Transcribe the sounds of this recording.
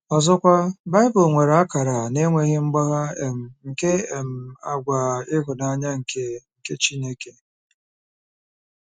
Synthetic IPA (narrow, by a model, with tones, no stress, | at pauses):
ɔ˨zɔ˦kʷa˦ba˦ɪ˦bʊ˨ŋʷe˨ɾa˦ka˨ɾa˨ne˦ŋʷe˦ɣɪ˦ŋ͡m̩˦ɡ͡ba˦ɣa˦e˨m̩˨ŋ̩˨ke˦e˨m̩˨a˦ɡʷa˨ɪ˦ɦʊ˨na˦ɲa˦ŋ̩˨ke˨ŋ̩˨ke˦t͡ʃi˦ne˦ke˨